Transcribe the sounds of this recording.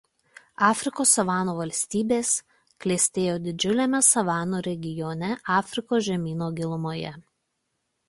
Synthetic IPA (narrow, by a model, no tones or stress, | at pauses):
ɑːfʲɾʲɪkoːsɐʋɑːnoʋɐlʲsʲt̪ʲiːbʲeːs | klʲeːsʲt̪ʲeːjoːd̪ʲɪd͡ʒʲʊlʲeːmʲɛsɐʋɑːnoːɾʲɛɡʲɪjɔːnʲɛʔɑːfʲɾʲɪkoːsʒʲɛmʲiːnoːɡʲɪlˠʊmoːjɛ̰